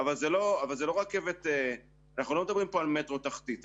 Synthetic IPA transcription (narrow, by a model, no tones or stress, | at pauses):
avalzelo̞avalzelo̞ʁakːevet̪e | anaχnulo̞med̪abʁimpo̞almet̪ʁo̞t̪aχt̪it̪